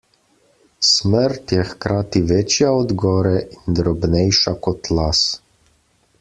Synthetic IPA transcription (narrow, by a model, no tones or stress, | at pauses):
sməɾt̪jɛxkɾaːt̪iʋeːt͡ʃjaɔd̪ɡɔːɾɛʔind̪ɾɔbnɛjʃakɔt̪las